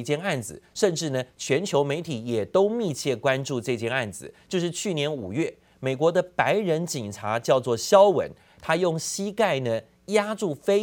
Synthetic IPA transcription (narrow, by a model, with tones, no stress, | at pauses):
t͡ɕjɛ˥˧na˥˩nd͡zɹ̩˨˩ʂə˥˧nʈ͡ʂɻ̩˥˩nə˩t͡ɕʰɥɛ˧˥nt͡ɕʰjo˧˥ʊme˧˥ɪt̪ʰi˨˥jɛ˨˩t̪o˥ʊmi˥˧t͡ɕʰjɛ˥˩kwa˦nʈ͡ʂu˥˧ʈ͡ʂɤ˥˧t͡ɕjɛ˥˧na˥˩nd͡zɹ̩˨˩t͡ɕjo˥˧ʊʂ̬ɻ̩˥˧t͡ɕʰy˥˩njɛ˧˥nu˨˩ɥɛ˥˩ | me˨˩ɪkwɔ˧˥d̪ə˧pa˧˥ɪɻə˧˥nt͡ɕi˨˩ŋʈ͡ʂʰa˧˥t͡ɕjɑ˥˧ʊt͡swɔ˥˩ɕjɑ˥ʊwə̰˧˥n | t̪ʰa˥jʊ˥˩ŋɕi˥ka˥˩ɪnə˨ | ja˥ʈ͡ʂu˥˩fe˥